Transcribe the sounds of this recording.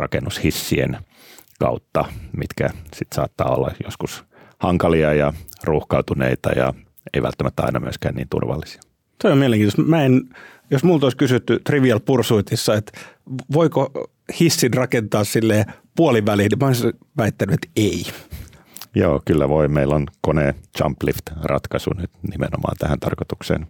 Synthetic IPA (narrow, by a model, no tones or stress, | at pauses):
rɑ̰kenːushisːiḛn | kɑut̪ːɑmit̪kæsit̪sɑ̰ːt̪ːɑːo̰lːɑjoskus | hɑŋkɑliɑjɑruhkɑut̪unḛit̪ɑjɑ | eiʋæ̰lt̪ːæmæt̪ːæɑ̰inɑmyøskæːnniːnt̪ṵrʋɑlːisi̥ɑ̥ | t̪oijomieleŋkint̪ost̪mæen | josmult̪oiskysyt̪ːyt̪riʋiɑlpursuit̪isːɑet̪ʋoiko | hisːinrɑkent̪ɑːssilːeːpuoliʋælilnimæois | ʋæit̪ːænyet̪ei | joːkylːæʋoimeilːonkoneːt͡ʃɑ̰mplift̪rʔɑt̪kɑsṵnyt̪nimḛno̰mɑ̰ːnt̪æhænt̪ɑrkot̪uksḛːn